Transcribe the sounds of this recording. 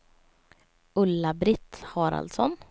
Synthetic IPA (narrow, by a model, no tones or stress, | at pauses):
ɵlːabɾɪt̪hɑːɾa̰lt̪sɔn